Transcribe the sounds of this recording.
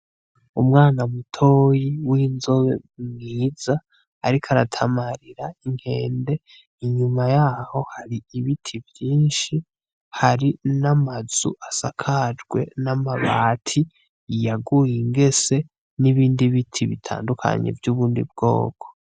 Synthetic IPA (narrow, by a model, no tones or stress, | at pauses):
umŋaːnamutʰo̞jiwiːnzo̞βe̞̰mŋiːz̥aː | ɾikʰaɾatʰamaɾiɾaiŋ̥he̞ːnde̞ | iɲumajaːho̞haɾiiβitʰivjiːnʃi | haɾinamaz̥ṵʔasakʰad͡ʒɡwe̞̰namaβaːtʰi | jaɡujiŋɡe̞se̞ | niβiːndiβitʰiβḭtʰa̰ːndukʰa̰ɲḛvjuːβuːndḭb̚ɡo̞̰ːkʰo̥